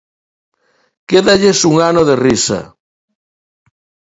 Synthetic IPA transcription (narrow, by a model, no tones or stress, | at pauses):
keðaʎesuŋanoðerisa̰